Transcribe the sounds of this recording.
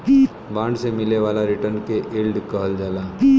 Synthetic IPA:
i | bãːɳɖsemɪleʋaːlaɾɪʈəɾnkeʔeːlɖkəɦəld͡ʒaːlaː

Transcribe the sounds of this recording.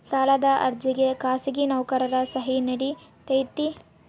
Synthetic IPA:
saːlɐd̪ɐʔɐ̰ɾd͡ʒiɡekaːsiɡinɐwkɐɾɐɾɐsɐɦinɐɽi | t̪ɐjt̪i

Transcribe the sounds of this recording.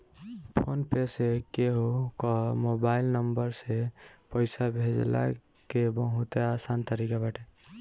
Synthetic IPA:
pʰonpesekeɦokɔmobailnəmbəɾsepəjsabʱed͡ʒla̰ | kebə̃ɦut̪easant̪əɾikabaʈe

